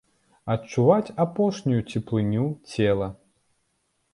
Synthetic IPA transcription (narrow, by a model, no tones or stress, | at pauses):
ɐt͡ʂuvat͡sʲapɔʂnʲujut͡sʲɛplˠɨnʲut͡sʲɛlˠɐ